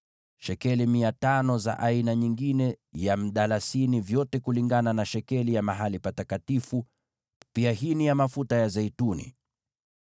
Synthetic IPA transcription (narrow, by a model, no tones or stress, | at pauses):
ʃɛkɛlimiatanɔza̰ʔainaɲiŋɡinɛjam̩ɗalasinivjɔtɛkuliŋɡananaʃɛkɛlijamaɦalipatatkatifu | piaɦinijamafutajazɛitunḭ